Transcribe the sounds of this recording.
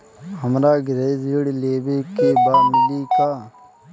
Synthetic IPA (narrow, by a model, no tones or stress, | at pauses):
həmɾaːɡɾezɡiɽleːbekebaːmɪlika